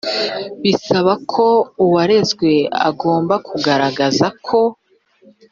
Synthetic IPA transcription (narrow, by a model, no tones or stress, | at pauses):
βisaβakʰo̞uwaɾe̞zɡwe̞a̰ɡo̞ːmbakuɡaɾaɡazakʰo̞